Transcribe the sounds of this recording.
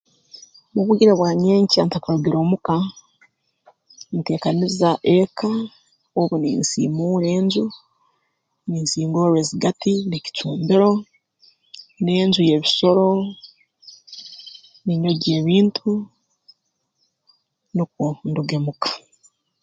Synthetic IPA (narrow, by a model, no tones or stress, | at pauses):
muβuɟiɾeβwaːɲeːɲciantakaɾuɡiɾoːmuka | mute̞ːkanizaʔekʰa | oβunḭːnsḭːmuːɾe̞ːnzu | niːnsiːŋɡoːɾweːziɡatinici̥t͡ʃuːmbiɾo̞ | neːnzuje̞βiso̞ɾo̞ | niɲo̞ɟeːβiːntʰu | nuk̚unduɡe̞mukḁ